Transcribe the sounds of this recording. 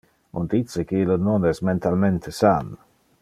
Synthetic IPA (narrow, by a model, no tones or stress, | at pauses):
ṵnd̪it͡sekeilononɛsment̪alment̪ʰesan